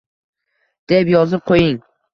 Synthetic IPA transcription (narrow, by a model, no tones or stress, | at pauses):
d̪̥epjɒzɪp̚qʰojɪŋ